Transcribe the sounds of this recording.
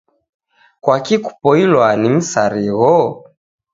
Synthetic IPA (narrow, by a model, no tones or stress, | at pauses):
kwakiku̥pɔilwanim̩saɾiɣɔ